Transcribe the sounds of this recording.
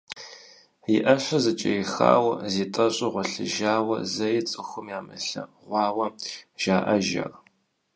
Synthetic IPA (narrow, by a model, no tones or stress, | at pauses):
ɪʔɐɕʷɐzɐt͡ʃʼɐ̰jɪxa̰ːwɐziːtʼɐɕʼɪʁʷɔɬɨ̰ʒaːwɐzɐjɪt͡sʼɨxʷʊmjaːmɨ̰ɬɐ̰ʁʷɑːwɐʒ̥aːʔɐʒɐ̰r